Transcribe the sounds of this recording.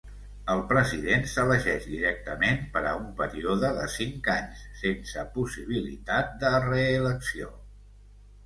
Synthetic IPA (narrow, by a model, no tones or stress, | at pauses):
əlˠpɾəziðensələʒɛʒd̪iɾɛk̚t̪əmenpəɾə̰umpəɾioðəðə̰siŋkaɲsːensəpusiβ̞ilḭt̪at̪̚d̪ərəːləksio